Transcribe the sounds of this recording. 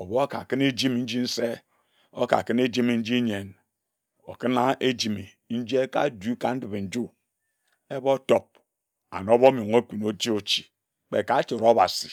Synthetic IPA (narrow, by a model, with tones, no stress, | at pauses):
o˨bo˦a˦ka̰˨kɨ˦ne˦d͡ʒi˦m˨n̩˦d͡ʒi˦n̩˦se˦ | o̰˦ka̰˨kɨ˦ne˦d͡ʒi˦me˨n̩˦d͡ʒi˦ɲe˨n | o̰˨kɨ˦na˦ʔe˦d͡ʒi˨mi˨ | n̩˦d͡ʒi˦e˦ka̰˦˨du˦ka̰˨n̩˦dɨ˨be˨n̩˨d͡ʒu˦ | e˦bo˦to˨p̚ | a̰˨no˨˦bo˦mo˨ŋo˦kʷi˨no˨˦t͡ʃi˦o˨t͡ʃi̥˨ | k͡pe˨ka˨˦t͡ʃi˨ɾo˦ba˨si˨